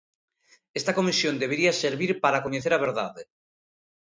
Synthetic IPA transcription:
est̪akomisjond̪eβeɾiaseɾβiɾpaɾakoɲeθeɾaβ̞eɾða̰ðe

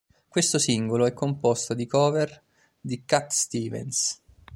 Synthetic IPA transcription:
kwest̪osiŋɡoloɛkːompost̪od̪ikɔːver | d̪ikat̪ːst̪iːvɛ̰ns

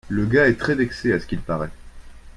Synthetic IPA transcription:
ləɡaɛt̪χɛd̪ɛkseasə̥kʲilpaʁɛ

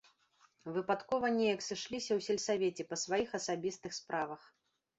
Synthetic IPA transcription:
vɨpat̪kɔvɐnʲɛjɐksɨʂlʲisʲɐwsʲɛlʲsavʲet͡sʲɛpɐsvajixɐsabʲist̪ɨxspɾʔavɐx

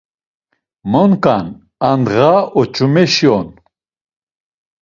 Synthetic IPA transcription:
mɔnkʼan | and̪ʁaɔt͡ʃʰʼumɛʃiɔn

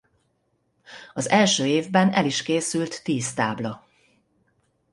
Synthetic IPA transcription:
ɒzɛlʃøːeːvbɛnɛliʃkeːsylt̪ːiːst̪aːblɒ

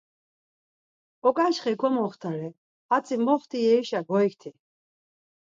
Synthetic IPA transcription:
ɔkʼaʃχɛkʰɔmɔχt̪ʰaɾɛ | at͡sʼimɔχt̪ʰijɛiʃaɡɔikt̪ʰi

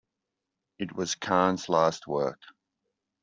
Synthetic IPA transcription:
ɪt̚wɒz̥kʰɑːnz̥laˑst̚wɜˑk

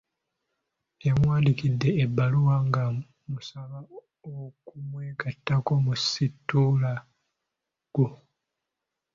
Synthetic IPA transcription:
jamwaːndikidːe̞ːbːaluwaŋɡa | musaβa | okumweːkatːako̞musitːula | ɡ̥u

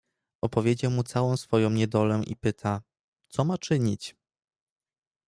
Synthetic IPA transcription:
ɔpɔvʲjed͡ʑawmut̪sawɔ̃w̃sfɔjɔ̃w̃ɲɛd̪ɔlɛʔḭpɘt̪ʰa | t̪sɔmat͡ʂɘɲit͡ɕ

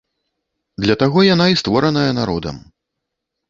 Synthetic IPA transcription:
d̪lʲɐt̪aɣɔjanaist̪vɔɾɐnɐjɐnaɾɔd̪ɐ̰m

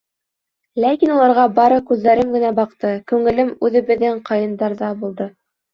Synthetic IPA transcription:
lækinulˠɑɾʁɑbɑɾɤkʉðːæɾɘmɡɘ̆næbɑqt̪ɤkʉŋɘ̆lɘmʉðɘ̆βɘ̆ðːɘŋqɑjɤ̆nd̪ɑɾðɑbulˠd̪ɤ

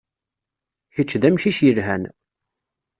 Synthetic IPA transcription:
çət͡ʃːðæmʃiʃjəlɦæn

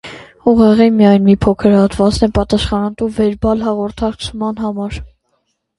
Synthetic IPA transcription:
uʁɛʁimijɑjnmipʰɔkʰəɾhɑt̪vɑt͡snɛpɑt̪ɑsχɑnɑt̪uvɛɾbɑlɦɑʁɔɾt̪ʰɑkt͡sʰmɑnɦɑmɑɾ

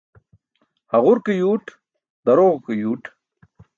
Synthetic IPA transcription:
hɐʁuɾkejuːʈ | d̪ɐɾoɣkejuːʈ

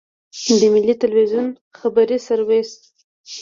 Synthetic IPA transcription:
d̪əmɪlːit̪əlwizjun | xabaɾisaɾwes

